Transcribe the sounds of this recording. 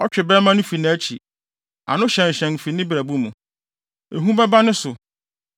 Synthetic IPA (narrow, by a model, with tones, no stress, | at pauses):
ɔ˦t͡ɕᶣɪ˨bɛ˦mã˦nʊ̃˦fi˨nɪ̃˦æ˦t͡ɕʰi˨ | a̰˨nʊ̃˦ɕɛ̃˨n˨ɕɛ̃˨ŋ̩˨fi˨nɪ̃˦bɾæ˨bu˦mũ˨ | e˨ɦũ˦bɛ˦ba˦nʊ̃˦sʊ˨